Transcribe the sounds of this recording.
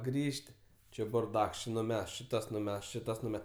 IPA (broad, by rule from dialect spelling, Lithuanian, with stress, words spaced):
ˈɡrʲiːʃʲtʲ ˈt͡ʃʲɪ bʊrˈdɐks ˈt͡ʃʲɪ nʊˈmʲɛst t͡ʃʲɪ ˈtɐs nʊˈmʲɛst ˈt͡ʃʲɪ ˈtɐs nʊˈmʲɛ